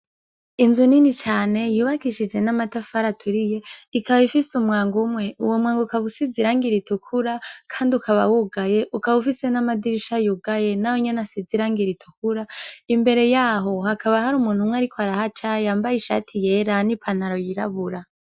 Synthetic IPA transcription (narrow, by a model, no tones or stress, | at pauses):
inzuninit͡ʃaːne̞juːβakiʃid͡ʒe̞namatafaɾatʰuɾije̞ikaβaifisumŋaːŋɡumŋe̞ʔuwomŋaːŋɡukaβusiziɾaːŋɡiɾitukʰuɾakʰaːndiukʰaβa̰wuɡaje̞ʔukaβufise̞namadiɾiʃajuɡaje̞nawoɲenasiziɾaːŋɡiɾitʰukuɾaimbe̞ɾe̞jaːɦo̞hakaβahaɾumuːnhumwaɾikʰoaɾahat͡ʃajaːmbajiʃa̰tʰije̞ɾanipʰanaɾo̞jiɾaβuɾa